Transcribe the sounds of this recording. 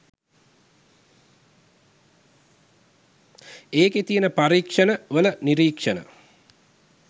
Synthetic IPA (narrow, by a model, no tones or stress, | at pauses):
eːket̪ijənəpaɾiːkʂənəʋələniɾiːkʂənə̰